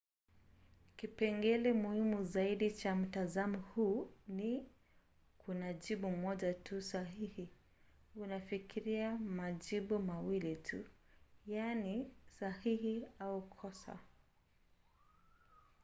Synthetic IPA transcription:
kipɛŋɡɛlɛmuhimuzaiɗit͡ʃam̩tazamɔhuni | kʰunaʄiɓumɔʄatusaɦihi | unafikʰiɾiamaʄiɓumawilitʰṵjanisahihiaukʰɔsa̰

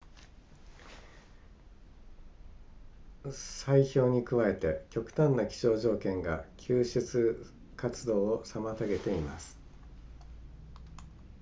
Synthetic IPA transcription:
saiço̞ːɲ̟ikɯ̟βae̞t̪e̞kʲo̞kɯ̟̥t̪ãnːakʲi̥ɕo̞ːʑo̞ːkẽ̞ŋɡakʲʰɨːɕɨt͡sɨ | kat͡sɨd̪o̞ːosamat̪aɡe̞t̪e̞ima̰sɨ̥

